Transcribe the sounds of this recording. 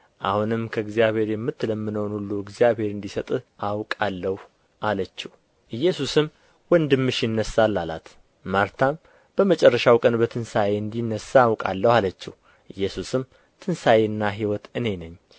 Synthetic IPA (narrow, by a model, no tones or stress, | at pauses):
ʔa̰hunɨmkʰəɨɡzijaβhe̞ɾjɛmːɨt̪ːləmːɨnəwnulːuɨɡzijaβhe̞ɾɨnd̪isət̪ʼʔawkʼalːəh | ʔalət͡ʃːɛh | ʔɨjːɛsusɨm | wɔnd̪ɨmːɨʃɪnːəsːalːala̰t̪ | maɾt̪ʰam | b̥əmət͡ʃʼɛrːəʃawkʼənbət̪ʰɨnsajeɨnd̪inːəsaːwkʼa̰lːəhalət͡ʃːɛh | ʔɨjːɛsusɨm | t̪ʰɨnsajeɨnːaɦiwɔt̪ɨne̞nəɲː